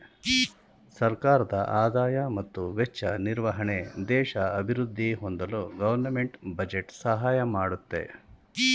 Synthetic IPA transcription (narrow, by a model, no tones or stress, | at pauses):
sɐɾkaːɾɐd̪ɐ̰ʔaːd̪aːjɐmɐt̪ːuʋɛt͡ʃːɐniɾʋɐɦɐɳed̪ɛːʃɐɐbʱiɾud̪ʱːiɦond̪ɐluɡɐʋɐɾnɐmeɳʈbɐd͡ʒeʈsɐɦaːjɐmaːɽut̪ːe̞̰